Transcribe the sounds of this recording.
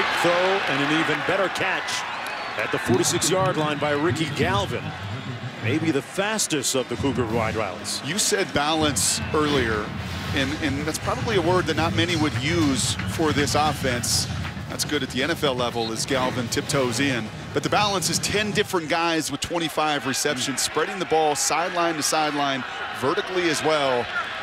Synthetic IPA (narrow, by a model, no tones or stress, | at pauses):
ɪkθoʊɨ̃ñɨ̃nivɨ̃nbɛɾə˞kʰæt͡ʃ | ɨt̪̚ðəfɔɹɾisɪksjɑɹdˡlãɪ̃nbaɪɹɪkiɡælˠvɨ̰̃n | meɪbiðɨfæstɨstʌvðɨkʰukə˞waɪdɹa̰ɪlˠə̰z̥jɨsɛd̚bælˠə̃nsɜ˞lˠiə˞ɨ̃nɨ̃nðætspʰɹ̥ɑbəbliəwɜ˞d̪̚ðɨtⁿnət̚mɛñiwɨdjʉz̥fə˞ðɪsɔfɛ̃ns | ðæ̰tsɡ̥ʊɾɨt̪̚ðiɛ̃ɾ̃ɛfɛlˠɛvl̩ˠɨzɡælˠvɨ̃ntʰɪp̚tʰoʊzɪ̃n | b̥ʌt̪̚ðɨbælˠə̃nsɨz̥tʰɛ̃ndɪfɹɨ̃nɡ̥aɪzwɨð̥tʰw̥ɛ̃ɾ̃ifaɪvɹɨsɛpʃɨ̃nz̥spɹɛɾɪ̃ŋðəbɔlˠsaɪdˡlãɪ̃ntɨsaɪdˡlãɪ̃n | vɜ˞ɾɨkˡliɨzwɛlˠ